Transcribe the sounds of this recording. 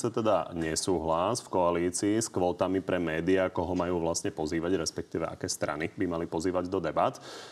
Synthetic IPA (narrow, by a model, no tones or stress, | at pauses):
sat̪ɛd̪aɲɛsuːɦlasfkɔaliːt͡siːskʋɔːt̪amipɾɛmɛːd̪iakɔɦɔmajuːʋlasɲɛpɔziːʋaɟɾɛspɛk̚t̪iːʋɛʔa̰kɛːst̪ɾa̰nibimalipɔziːʋaɟd̪ɔd̪ɛbat̪